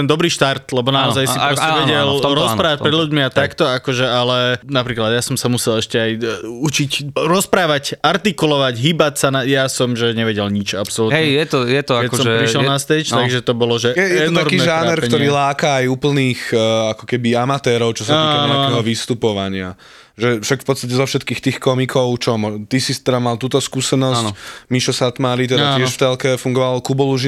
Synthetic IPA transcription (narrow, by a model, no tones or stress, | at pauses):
ɛnd̪ɔbɾiːʃt̪aɾt̪lɛbɔnaɔzajssiɾɔsiʋɛɟɛlɾɔspɾaːʋac̚pɾɛd̪ʎuɟmiat̪akt̪ɔakɔʒɛalɛnapɾiːklad̪jasɔmsamusɛlɛʃcɛajut͡ʃicɾɔspɾaːʋacaɾt̪ikulɔʋaɟɦiːbacsanajaːsɔmʒɛɲɛʋɛɟɛlɲit͡ʃa̰psɔluɦɛjjɛɔjɛt̪ɔakɛɔsɔɛpɾiʃɛlnast̪ɛt͡ʃtaɡʒɛt̪ɔbɔlɔʒɛjɛjɛɔnt̪aɾkiːʒanɛɾkk̪ɔɾiːlaːkaːjuːpl̩niːxakɔkɛbiamat̪ɛːɾɔʊt͡ʃɔsat̪ːikaɲɛakɛɦɔʋist̪upɔʋaɲɪa | ʒɛfʃakfpɔt̪st̪ac̬ɛzɔfʃɛt̪̚kiːxt̪iːxkɔmikʰɔʊt͡ʃɔmɔt̪isist̪ɛd̪amalt̪uːt̪ɔskuːsɛnɔsmiʃɔsat̪maːɾit̪̬ɛd̪aɪɛʃft̪ɛlkɛfuŋɡɔʋalɔkubɔluʒi